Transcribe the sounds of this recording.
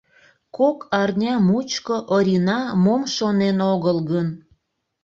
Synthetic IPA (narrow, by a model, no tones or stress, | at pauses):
kokʰɑrnʲɑmut͡ɕkoʔəɾʲinɑmomʃonenoɣəlɣən